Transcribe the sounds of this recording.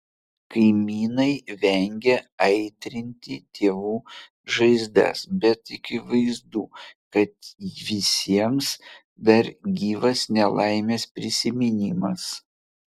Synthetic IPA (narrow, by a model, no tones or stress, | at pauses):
kɐɪmʲiːnɐɪʋʲɛŋʲɡʲɛɐɪt̪ʲɾʲɪnʲt̪ʲit̪ʲʰeːʋuː | ʒɐɪzd̪ɛ̰sbʲɛt̪ɪkʲɪʋɐɪzd̪uːkɐt̪ʋʲɪsʲiɛms | d̪ɐɾɡʲiːʋɐsnʲɛlˠɐɪmʲeːspʲɾʲɪsʲɪmʲɪnʲɪmɐs